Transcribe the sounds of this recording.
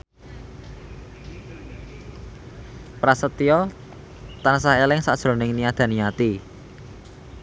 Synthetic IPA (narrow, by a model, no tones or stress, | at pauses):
pɾasət̪ijɔ | t̪ansaɦelɪŋsaʔd̥ʒ̥ɾo̤nɪŋniad̪̥ä̤niat̪i